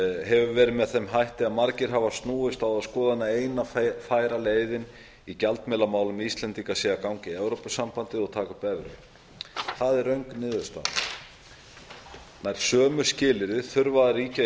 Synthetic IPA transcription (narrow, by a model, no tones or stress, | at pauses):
ɦɛvʏvɛːɾɪmɛðθɛmɦajht̪ɪaðmaɾcɪɾ̥ɦavast̪nuːɪst̪awðaðskɔːðaɛnːaeːjnafaːjɾaleːjðɪn | icalt̪mɪlamaːwlʏmiist̪lɛnt̪ikasɛːɣakawŋcɪɛwɾowpʏsːampant̪ɪɔɣt̪ʰaːkapɛvɾʏ̰ | θaðɛɾœɥŋknɪːðʏst̪a̰ð | najɾ̥sœːmʏ̥scɪːlɪɾɪθʏɾvaðaɾiːca